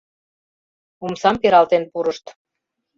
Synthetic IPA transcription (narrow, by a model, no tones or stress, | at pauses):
umsɑmpeɾɑlt̪enpuɾəʃt̪